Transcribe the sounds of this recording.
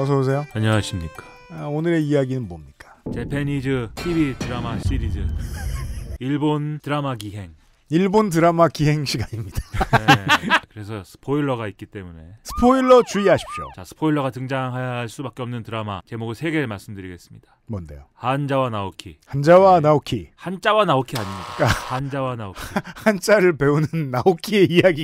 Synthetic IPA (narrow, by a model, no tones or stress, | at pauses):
ʌs̬ʰʌbos̬ʰe̞joaɲʌŋaɕʰimɲik͈ḁ | aonɯɾe̞ijaɡinɯnbomɲik͈ḁt͡ɕe̞pʰe̞nid͡ʑɯɕʰibitɯɾamaɕ͈iɾid͡ʑɯ | iɭbontɯɾamakiɦe̞ŋ | iɭbontɯɾamakiɦe̞ŋɕʰiɡaɲimɲid̥a | kɯɾe̞sʰʌsʰɯ̥pʰoiɭːʌɣait̚k͈it͈e̞mune̞̰sʰɯ̥pʰoiɭːʌt͡ɕuiaɕʰi̥p̚ɕ͈ʰo̰t͡ɕasʰɯ̥pʰoiɭːʌɣatɯŋd͡ʑaŋɦajaɭs͈ubak͈eʌmnɯntɯɾama̰t͡ɕe̞moɡɯɭsʰe̞ɡe̞ɯɭmaɭs͈ɯmdɯɾiɡe̞s͈ɯ̥mɲid̥amʌnde̞̰johand͡ʑawanaokʰḭhand͡ʑawanaokʰḭhant͡ɕ͈awanaokʰiaɲimɲida̰k͈ahand͡ʑawanaohant͡ɕ͈aɾɯɭpe̞unɯnːaokʰie̞ijaɡi